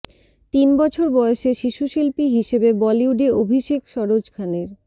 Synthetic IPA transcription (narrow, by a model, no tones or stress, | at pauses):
t̪inbɔt͡ɕʰoɾbɔeoʃeʃiʃuʃilpiɦiʃebebɔliuɖeobʱiʃekʃɔɾod͡ʑkʰaneɾ